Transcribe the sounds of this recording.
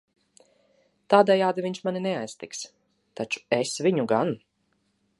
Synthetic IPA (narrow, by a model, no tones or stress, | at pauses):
t̪aːd̪ɛjaːd̪iviɲʲʃmaninɛajst̪iks | t̪at͡ʃu̥esviɲuɡan